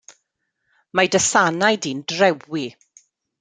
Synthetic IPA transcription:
majdəsanajdiːndrɛwi

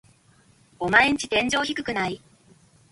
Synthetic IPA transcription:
o̞maeɲ̟it͡ɕi̥t̪ẽ̞ɲ̟d͡ʑo̞ːçikɯ̟kɯ̟nai

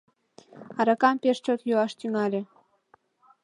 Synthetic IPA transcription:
ɑɾɑkɑmpeʃt͡ɕot̪juɑʃt̪yŋɑlʲe

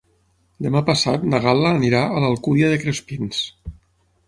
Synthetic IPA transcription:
d̪emapasat̪naɣaləːniɾaʔələlˠkuðjəðekɾespins

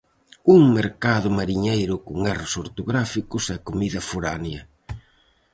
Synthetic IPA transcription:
uŋmeɾkaðʊmaɾiɲejɾʊkʊŋɛrʊsoɾt̪oɣɾafikʊsɛkomiðɐfuɾanjɐ

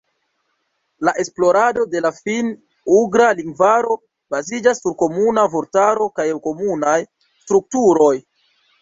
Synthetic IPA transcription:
laʔe̞splo̞ɾado̞de̞lafin | uɡɾaliŋɡvaɾo̞ | bazid͡ʒasːuɾko̞munavoɾtaɾo̞kajko̞munaj | stɾuk̚tuɾo̞j

